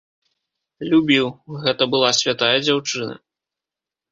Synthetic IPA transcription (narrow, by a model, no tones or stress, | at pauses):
lʲubʲiwɣɛt̪ɐbɨlˠasʲvʲat̪ajɐd͡zʲawt͡ʂɨnɐ̰